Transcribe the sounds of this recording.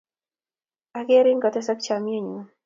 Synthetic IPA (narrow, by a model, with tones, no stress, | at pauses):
a˨ɡe˦ɾi˦ŋɡɔ˨t̪ɛ˦sɔ˦kt͡ʃa˨mje˦ɲu˨